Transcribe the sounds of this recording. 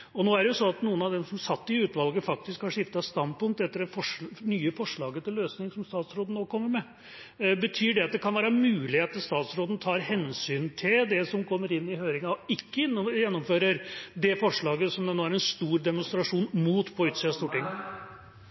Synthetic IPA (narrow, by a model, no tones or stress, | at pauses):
ɔnoːæɖɛjʊsɔnɑt̪nuːənɑʋd̪ɛmsɔmsɑt̪ːɪʉːt̪ʋɑlɡəfɑk̚t̪ɪskhɑɾʂɪft̪ɑst̪ɑnd̪̚pʰʊŋk̚t̪ɛt̪ːəɖɛfɔʂnyːəfɔʂɭɑːɡət̪ʰɪløːsnɪŋsɔmst̪ɑːt̪sɾoːd̪ən̩oːkʰɔmːəɾmɛ | bət̪ʰyːɖɛɑt̪̚d̪ɛkʰɑnʋæːɾəmʉːlɪheːt̪əst̪ɑːt̪sɾoːd̪n̩t̪ʰɑːɾhɛnsyːnt̪ʰɪld̪ɛsɔmkʰɔmːəɾɪnːɪhøːɾɪŋɑɔɪkːəjɛnːɔmføːɾəɾd̪ɛfɔʂɭɑːɡəsɔmd̪ɛnoːæɾɛnst̪uːɾd̪ɛmʊnst̪ɾɑʂuːnmuːt̪pʰɔʉːt̪siːɑst̪uːʈɪŋː